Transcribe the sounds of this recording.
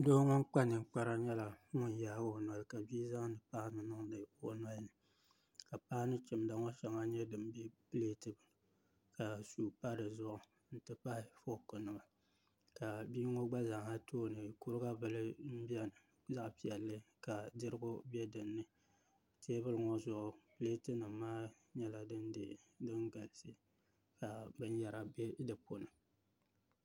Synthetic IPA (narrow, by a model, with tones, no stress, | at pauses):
do˦ŋɔ˦ŋ˦k͡pa˦nɨ˨ŋ̩˦k͡pa˦ɾa˦ɲɛ˦la˨ŋʊ˦n˨jaː˦ɡo˨nwa˨lka˨biː˦za˦ŋ˦nɨ˨pa˦hnɨ˨nɨ˦ŋlɨ˨o˨na˦lnɨ˨ | ka˨pa˦nɨ˦t͡ʃɪ˨mda˨ŋɔ˦ʃɛ˨ŋa˦ɲɛ˦dɨ˨m˦bi˦pɨ˦leː˦tɨ˨bɨ˨ | ka˨suː˦pa˦ɾɨ˨zʊ˦ʔʊ˨ | n̩˨tɨ˦pa˦hɪ˨fo˦kɨ˨nɨ˨ma˨ | ka˨biː˦ŋo˦ɡ͡ba˦za˨ŋ˨a˦toː˦nɨ˨ku˦ɾɨ˦ɡa˦bɨ˨lɨ˦m̩˦bi˦ɛ˦nɨ˨ | za˦ʔpi˨ɛ˨lːɨ˦ka˨dɨ˦ɾɨ˦ɡʊ˦bɛ˦dɨ˨nːɨ˦ | tʰe˦bɨ˦lɨ˦ŋo˦zʊ˦ʔʊ˨pɨ˦leː˦tɨ˦nɨ˨m˦maː˦ | ɲɛ˦la˨dɨ˦ndɨ̰˨dɨ˦ŋɡa˨lsi˦ | ka˨bɨ˦ɲ˦ja˨ɾa˨bdɨ˨po˨nɨ˨